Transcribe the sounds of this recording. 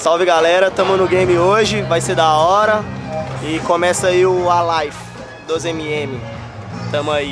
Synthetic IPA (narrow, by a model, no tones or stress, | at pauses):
sawvɪɡalɛɾɐt̪ɐ̃mʊnʊɡẽj̃mɪoʒɪvajsed̪aɔɾɐɪkõmɛsɐiʊalajf | d̪ozẽmiẽmɪ | t̪ɐ̃mʊai